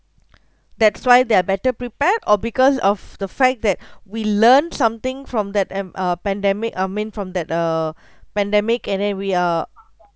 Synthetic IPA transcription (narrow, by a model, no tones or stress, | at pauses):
d̪ɛtswajd̪eabɛtəpɹipɛtɔbikɔsɔvd̪əfɛk̚d̪ɛt̚wilənsãmt̪ɪ̃ŋfɹɔ̃md̪ɛtʌpɛ̃ndɛmɪkamĩnfɹɔ̃md̪ɛt̚ə | pɛ̃ndɛmɪkɛ̃ndɛ̃nwia